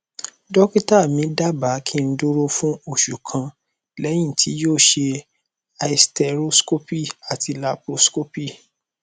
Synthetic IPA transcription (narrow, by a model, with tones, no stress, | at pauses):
dɔ˦ki˦ta˦˨mĩ˨˦da˦ba˨˦kʰĩ˦˧n̩˦du˦ɾo˦fũ˦o˦˨ʃu˨kʰã˧ | lɛ˨˦j̃ĩ˦˨tʰi˨˦joː˦˨ʃe˧ | a˨i˨stɛ˧˨ɾo˦sko˦pi˦˨a˨ti˧la˧pɾo˦sko˦pi˦˨